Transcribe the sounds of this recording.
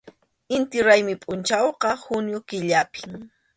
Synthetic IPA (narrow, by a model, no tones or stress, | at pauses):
ɪnt̪ɪɾajmɪpʼʊnt͡ʃawqɑhʊnjʊkɪʎapɪ̥ŋ